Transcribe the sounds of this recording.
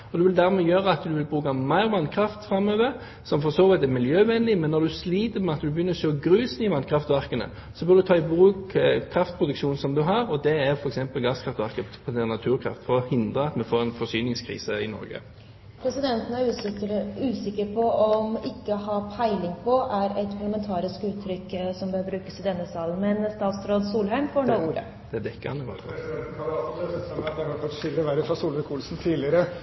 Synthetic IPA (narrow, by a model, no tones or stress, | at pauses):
ɔd̪ɛʋɪld̪æʁmɛjøːʁəɑt̪d̪ʉʋɪlbʁʉːkɑmæɪʁʋɑnkʰɾɑft̪fɾɑmːøːʋəɾ | sɔmfɔsoːʋɛt̪æʁmɪljøːʋɛnlɪmɛnːɔɾd̪ʉsliːt̪əmɛɑt̪d̪ʉbəjʏnːəɾçøːɔɡɾʉːsnɪʋɑnkʰʁɑft̪ʋæʁkənə̰ | sɔbœːʁd̪ʉt̪ʰɑːɪbʁʉːkkʰɾɑft̪pʰɾʊd̪ʉkʃuːnsɔmd̪ʉɦɑɾɔd̪ɛæɾfɔɾɛksɛmpəlɡɑskʰʁɑft̪ʋæʁkəpʰɔd̪ɛnɑt̪ʰʉːʁkʰɾɑ̰ft̪fɔɾɔhɪnd̪ʁəɑt̪mɛfoːɾɛnfɔsyːnɪŋskʰʁḭːsəɪnɔ̰ɾɡə̰ | pʰɾɛsɪd̪ɛnt̪ən̩æ | ʉːsɪkːəɾpʰɔɔmɪkːəɔɦɑːpʰæɪlɪŋpʰɔʔæɾɛt̪pʰɑʁɭəmɛnt̪ʰɑːɾɪskʉːt̪ʰːɾʏkːsɔmbəhøːʋbɾʉːkəsɪd̪ɛnːəsɑːlən̩mɛnst̪ɑːt̪st̪ɾoːd̪suːlɦæɪmfoːɳoːuːɾə̰ | d̪̥ɛd̪ɛkːəɑnəɡɔ̰t̪ɛt̪̩ɛɔmt̪̚d̪ɛhɑɾfɔʃɪlɾəʋæɾəfɾɑsuːlʋəkʰuːlsn̩t̪ʰiːlɪəɾə